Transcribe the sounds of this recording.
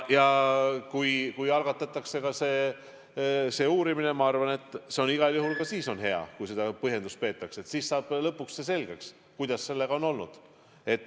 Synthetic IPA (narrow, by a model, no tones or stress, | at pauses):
jɑkujkujɑlɡ̥ɑt̪ːˑɑt̪ːˑɑkse̞kɑseː | se̞ːuːɾimine̞mɑɑrvɑne̞t̪ːˑse̞o̞niɡ̥ɑljuɦulkɑsiːso̞nɦe̞ɑ̰kujse̞d̪̥ɑpɤɦje̞nd̪ust̪̚pe̞ːt̪ːˑɑkse̞t̪siːssɑːb̥lɤpːˑukssese̞lɡ̥eks | kujd̪̥ɑsːe̞lːe̞ɡ̥ɑo̞no̞lnṵd̪̥ | e̞t̪ːˑ